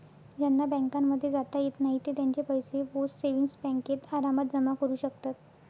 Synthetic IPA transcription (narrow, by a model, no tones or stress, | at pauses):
d͡ʑjanːabɛ̃ŋkamːəd̪ʱːjed͡zat̪ajet̪naɦit̪et̪jãɲt͡ɕepəjseʋosseʋiŋsbɛ̃ŋket̪aɾamət̪̚d͡zəmakəɾuːɕək̚t̪at̪